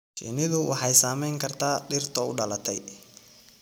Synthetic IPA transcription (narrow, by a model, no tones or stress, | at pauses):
t͡ʃḭnɪðʊwʔɑ̰ħɑjsaːmɛjŋkʰɐrt̪ʰaːɖɪrt̪ʰɔʊɖɐlɐt̪ʰɛj